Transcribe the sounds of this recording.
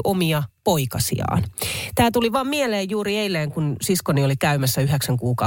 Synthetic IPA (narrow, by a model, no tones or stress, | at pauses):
ʔomiɑpoikɑsḭɑ̰ːnt̪æːt̪uliʋɑːmmieleːjjuːɾieilːeːŋkunsiskoniolikæymæsːæyɦeksæŋkuːkɑ